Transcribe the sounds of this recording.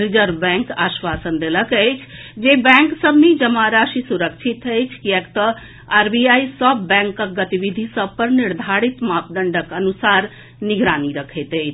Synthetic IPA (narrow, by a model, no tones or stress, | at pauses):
ɾid͡ʒəɾbɛ̃ŋkaːʃʋaːsənd̪eləkəjt͡ʃʰd͡ʒebɛ̃ŋksəbʱned͡ʒəmaɾaʃisuɾəkt͡ʃʰit̪əjt͡ʃʰkiɛkt̪ə | aɾbiajsəbːɛ̃ŋkːəɡət̪iʋid̪ʱisəb̚pəɾniɾd̪ʱaɾit̪maːpd̪əɳɖəkənusaːɾ | niɡɾaːniɾəkʰet̪əːt͡ʃʰ